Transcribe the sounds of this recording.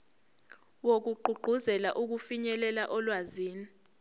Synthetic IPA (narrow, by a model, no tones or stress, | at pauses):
wok̬uɡ͡ǃʱuɡ͡ǃʱuzɛlaʔuk̬ufiɲɛlɛlaʔɔlwaziːni